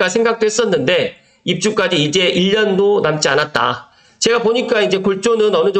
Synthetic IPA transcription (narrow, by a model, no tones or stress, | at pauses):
asʰe̞ŋɡak̚t͈oɦes͈ʌnːɯnde̞ | ip̚t͡ɕ͈uk͈ad͡ʑiːd͡ʑe̞ʔiʎːʌndonamt͡ɕ͈ianat̚t͈a̰ | t͡ɕe̞ɡapoɲik͈aind͡ʑe̞koɭt͡ɕ͈onɯnʌnɯd͡ʑo